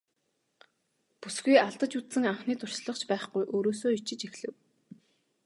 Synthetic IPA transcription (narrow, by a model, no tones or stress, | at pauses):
pusɡujaɮt̪ə̆t͡ɕut̪sɘ̆ŋaɴχniːt̪ʰʊr̥ʃɮə̆χt͡ɕpæːχɡujʔoːɾoːsoːit͡ɕɪ̆t͡ɕixɮɘ̆w